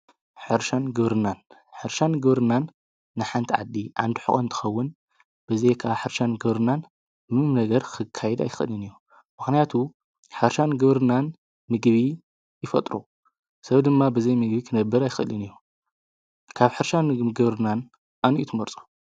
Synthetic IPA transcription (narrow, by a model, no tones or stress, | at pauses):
ħɨɾʃanɡɨβɾɨnanħɨɾʃanɡɨβɾɨnanː | ɨħant̪ʰiʕa̰d̪iʕa̰nd̪ɨħɨ̰xʼont̪ʰɨ̥xɐwːʊn | b̥ɨzɐjkʰaħɨɾʃanɡɨβɾɨnan | mɨɨmnɐɡɐɾkʰɨkʰːajɛd̪a̰jɪxɨ̰lɨniju | mɨxnijat̪ʰu | ħɨɾʃanɡɨβɾɨnan | mɨɡβi | jɪfɐt̪ʼɾu | sɐβd̪ɨmːabɨzɐjmɨɡbikʰɨnɐbːɨɾajɪxɨlɨnijːu | kʰaβħɨɾʃanɡɨβɾɨnan | ʔaniʔit̪ʰɨmɐɾt͡sʼu̥